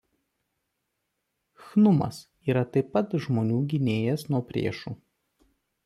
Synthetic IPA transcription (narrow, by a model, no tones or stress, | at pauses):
xnʊmɐ̰s | iːɾɐt̪ɐɪpːɐt̪ʒmoːnʲuːɡʲɪnʲeːjɛsnuɔpʲɾʲḛːʃuː